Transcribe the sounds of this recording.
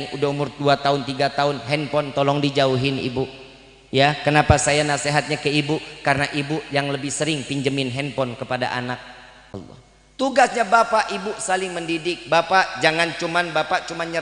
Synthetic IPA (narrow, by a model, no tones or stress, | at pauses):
ŋudaumʊrduat̪aʊnt̪iɡat̪aʊnɦɛnpɔnt̪ɔlɔŋdid͡ʒauɦɪnḭbuʔ | jakənapasajanaseɦat̪̚ɲakəibuʔkarənaʔibuʔjaŋləbɪhsəɾɪŋpiɲd͡ʒəmɪnɦɛnpɔnkəpada̰ʔa̰nak̚ | lːɔ̰ | t̪uɡasɲabapaʔibʊsalɪŋməndidɪk̚bapaʔd͡ʒaŋant͡ʃumanbapaʔt͡ʃumanɲə